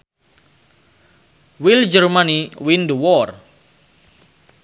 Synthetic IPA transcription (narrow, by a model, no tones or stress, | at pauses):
wild͡ʒərmaniwinduwɔr